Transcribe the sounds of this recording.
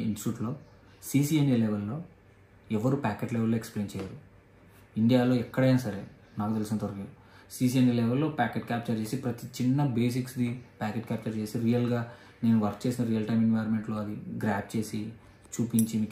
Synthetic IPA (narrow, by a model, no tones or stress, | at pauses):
insʈuːʈlo̞ː | siːs̬iːenileʋelːo̞ː | ɛʋɐɾupaːkeʈleɛʋelːoːeksple̞ːnt͡ʃɛːjaːɾu | iɳɖijaːlo̞ːɛkːɐɽeːnɐsɐɾḛː | naːkut̪elisinɐt̪ɐɾɐɡid̪u | siːs̬ienileʋelːo̞ːpaːkeʈkʲaːp̚t͡ʃɐɾt͡ʃe̞ːsipɾɐt̪it͡ʃinːɐbe̞ːs̬iksd̪ipaːkeːʈkʲaːp̚t͡ʃɐɾt͡ʃe̞ːsiɾijɐlɡaː | ne̞ːnuʋɐɾkt͡ʃe̞ːsinɐɾijɐlʈɐjminʋaːjɐɾmeɳʈlo̞ːɐd̪iɡɾaːp̚t͡ʃe̞ːsi | t͡ʃuːpiɲt͡ʃimiːk